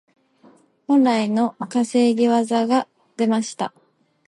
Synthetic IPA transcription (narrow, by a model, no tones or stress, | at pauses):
hõɾaino̞kase̞ːɡʲiβazaɡa | d̪̥e̞maɕi̥t̪a̰